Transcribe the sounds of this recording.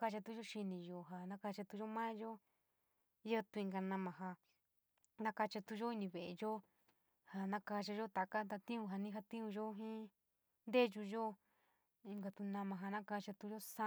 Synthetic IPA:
ka˧t͡ʃa˧t̪u˧˦ʒo˦ʃi˧nĩ˨˧jo˧ɦa˧nã˦ka˧t͡ʃa˧t̪u˧ʒo˦mã˦ʒo˦ | jə˦t̪u˧ĩ˧ŋɡa˧nã˧mã˨ɦa˧ | nã˦ka˧t͡ʃa˧t̪u˧ʒo˦i˧nĩ˧βe˧˨ʔe˧ʒo˦ | ha˧nã˧ka˧t͡ʃa˧ʒo˦t̪a˨ka˦t̪a˧t̪ĩ˦ũ˧ɦa˧nĩ˦ɦa˧t̪ĩ˦ũ˧ʒo˦ɦĩ˦ | nd̪e˦ʒu˧ʒo˦ | i˧ŋɡa˧t̪u˧nã˧mã˧ɦa˧nã˦ka˧t͡ʃa˧t̪u˧ʒo˦sa˦

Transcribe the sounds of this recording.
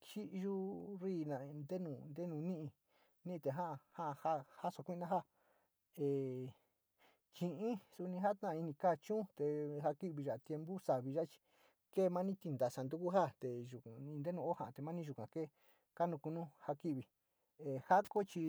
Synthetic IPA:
t͡ʃi˦ʔʒu˦riː˦˨nã˨˧nd̪e˦nũ˧˨nd̪e˦nũ˧nĩ˦ʔĩ˧ | nĩ˦ʔi˧t̪e˨ɦã˦ʔha˦ʔha˦ha˦so˧kʷi˦˧nã˦ɦa˦ | e˧˨ | t͡ʃĩ˧ʔĩ˦su˧nĩ˧ɦa˦t̪ã˦˨˧i˧nĩ˧ka˦˨t͡ʃũ˦t̪e˧ɦa˧ki˦βi˧ʒa˨t̪je˧mbu˦sa˨βi˧ʒa˦˧t͡ʃi̥˧ | keː˦˨˧mã˦nĩ˦t̪i˧nd̪a˨˧sa˧˨nd̪u˦ku˦ɦa˦t̪e˨ʒu˨ĩ˧nd̪e˦nũ˧o˦hã˨ʔt̪e˨mã˦nĩ˦ʒu˧kʷã̰˨ke˦˨ | ka˦nũ˧ku˧nũ˦ha˧ki˦βi˨ | e˨ha˦ko˦t͡ʃi˧

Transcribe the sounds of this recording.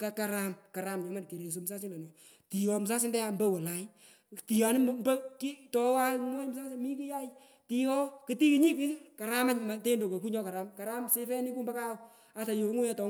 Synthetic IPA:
ka˨ka˨ɾa˦mka˨ɾa˨mɲɔ˨ma˦nke˨ɾe˨s̬o˨m˨sa˦si˦nda˨nɔ˨ | ti˨ɔ˧m˨sa˦s̬ɪ˦ndɛ˦a˨mbɛ˦wɛ˨la˨j | ti˨ja˨nɪ˦mmbɐ˦ki˦tɔ˦wa˦lŋɔ˦jm˦sa˦si˦mi˦ki˦ja˦j | ti˦ɔ˦kɨ˨ti˦ki˨ɲi˦ki˦ka˨ɾa˦ma˦ɲma˨te˦ndo˨ko˨ku˦ɲɔ˦ka˨ɾa˨mka˨ɾa˦mse˦fɛ˦ni˦ku˦mba˦ka˦ɔ˨ | a˨ta˨jo˨˦ŋu˦ja˦tɔ˨

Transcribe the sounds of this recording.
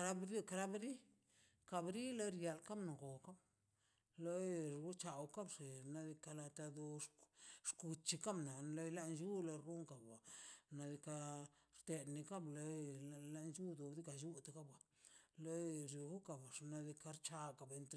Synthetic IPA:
ɾa˦bɾi˦ka˧ɾa˦bɾi˦ | ka˧bɾi˦lo˦ɾja˨lka˦mna˨ɡo˨ka˦b | lo˦ɾu˦t͡ʃa˨wka˦bʂe˨na˧d̪i˧ka˧la˧t̪a˧d̪o˧ | ʂku˧t͡ʃi˧ka˦mna˨lo˦jla˦nd͡ʒu˦lo˧ɾu˦ŋka˨ba˨na˧d̪i˧ka˧ɾt̪e˧d̪ni˧ka˦blo˦la˦nt͡ʃu˦d̪o˨bd̪i˦ka˧˨ju˦t̪a˧ka˦ba˨ | lo˦ɾi˨ɡu˦ka˨ba˨ʂna˧d̪i˧ka˧ɾt͡ʃa˧ka˨be˧nt̪ɾ

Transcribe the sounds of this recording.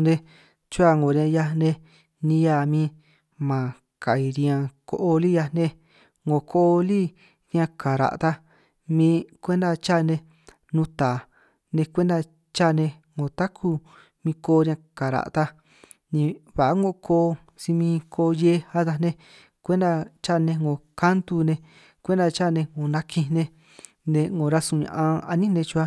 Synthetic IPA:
nẽ˧ | t͡ʃu˦a˧˨ŋɡo˨ɾjã˧ja˧nẽ˧ | nĩ˧ja˧˨mĩː˧ | mã˨ | ka˨i˧ɾĩ˧ã˧ko̰˧ʔo˧li˦ja˧nẽ˦ | ŋɡo˨kʰo˦ʔo˧li˦ | ɾã˧ka˨ɾa̰˨ʔt̪a˧ | mĩː˧kʷe˦nd̪a˧t͡ʃa˦˧nẽ˧ | nũ˧˦t̪a˨ | nẽ˧kʷe˦nd̪a˧ | t͡ʃa˦˨˧nẽ˧ | ŋɡõ˨t̪a˦kʰu˧ | mĩ˧koː˧˦˧ɾʲjã˧ka˨ɾa̰˨ʔt̪a˧ | nĩ˧βa˨ʔa˦ŋɡo˧ʔkʰoː˧˦ | si˧mĩ˧kʰo˧je˧˦a˧ða˧nẽ˧ | kʷe˦nd̪a˧t͡ʃa˦˧nẽ˧ŋɡõ˨ka˦nt̪u˧nẽ˧ | kʷe˦nd̪a˧t͡ʃa˦˨nẽ˧ŋõ˨nã˧kʰĩ˧nẽ˧ | nẽ˧ŋɡõ˨˧ɾa˧sũ˧˨ɲã̰˧ʔã˧a̰˧nĩ˦nẽ˧t͡ʃu˧a˧

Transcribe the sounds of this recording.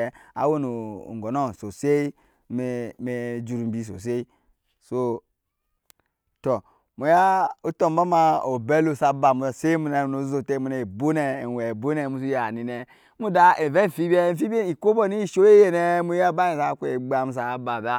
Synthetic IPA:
a̰˨˦wo˦nṵ˨ŋ˨ɡɔ˨nɔ˦˨n˨so˨se˦i˦ | m˨me˨d͡ʒu˨ɾu˨m̩˨bi˨˦s̬o̰˨s̬e˦i˦ | so˦ | to˨ | mo˨ja˦o˦tɔ˦˨m˦ba˦ma˦o˨bɛ˦lo˦˨sa˨ba˨mu˨a˨se˦i˦mu˨nɛ˨no˨˦zo˨te˦mu˨nɛ˨i˨bo˦nɛ˨wɛ˨bo˦nɛ˨mu˦s̬u˦ja˨ni˨nɛ˨ | mu˦da˨e˨vɛ˦˨fi˦bi˦ɛ˦˨fi˦be˦i˨ko˦bɔ˦ni˦˨ʃo˦je˦je˨nɛ˦mu˦a˦ba˦e˨sa˦˨kʷe˨ɡ͡ba˨mu˨˦s̬a˨˦ba˨ba˦

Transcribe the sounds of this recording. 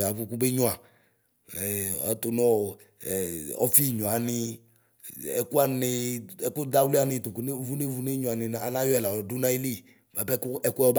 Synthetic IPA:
a˨vu˦ku˦be˦ɲɔ̃˦a˨ | ɛ˨a̰˨˦tʊ˨nɔ˦˨ | ɔ̰˦fi˦˨ɲɔ̃˨a˨nɪ˧ | ɛ̰˨ku˦a˨nɪ˧ɛ˨kʊ˦da˦wli˦a˦nɪ˧˨tʊ˨ku˨ne˦vu˦ne˦vu˨˦ne˦ɲɔ̃˨a˨nɪ̃˨n˨a˨nã˦jɔ˦ɛ˨la˨ɔ˨du˦nã˦i˦li˦˨ | ma˨pɛ˦kʊ˦ɛ˨kʊ˦ɛ˦ɔ˦b

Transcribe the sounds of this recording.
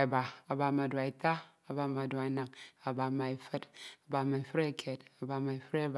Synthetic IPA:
i˨ba˨a˨ba˨˧ma˨dwa˨i˨ta˦ | a˨ba˨ma˨dwa˨i˨˦na˨ŋa˨ba˨ma˨i˨fɨ˦ta˨ba˨ma˨i˨ɸɨ˦ɾa˦˨kʲʰe˨ta˨ba˨ma˨i˨fɨ˦ɾa˦b

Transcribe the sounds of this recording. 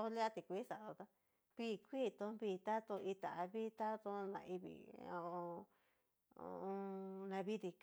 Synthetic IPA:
o˦li˦a˦t̪i˧kʷi˧˦sa˨ðo˧t̪a˦ | βi˦˨kʷi˦t̪õ˧˦βi˧t̪a˦t̪o˧ʔi˧t̪a˨ʔa˧βi˦t̪a˦t̪õ˧˦˧nã̰˧ʔi˧βḭ˨o̰˧õ˧ | õ̰˧õ˧nã˧βi˦ði˧k

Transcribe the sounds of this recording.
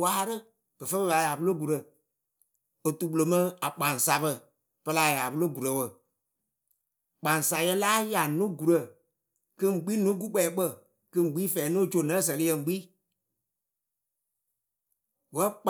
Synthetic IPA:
waː˦ɾɨ˦ | kə˨fə˦bə˦˧ɓa˨ja˨bu˦lo˦ɡu˨ɾə˨ | o˨tu˨ɓu˨lo˨mã˦a˨k͡pã˨n˨sa˨bə˧˨ | pə˧la˨˦˨ja˨bu˦lo˦ɡu˨ɾə˨wə˨ | k͡pã˨n˨sa˨jɛ˧laː˦ja˨nũ˦ɡu˨ɾə˨ | kɨ˧ŋɡ͡bi˦nũ˨˦ɡu˦k͡pɛː˨˦ɓə˦˨ | kɨ˧ŋ˨ɡ͡biː˦fɛː˨˦nõ˦˨t͡ʃo˨nã˨˦s̬ə˨lɨ˦jɛ˧ŋ˨ɡ͡biː˦ | wə˦k͡p

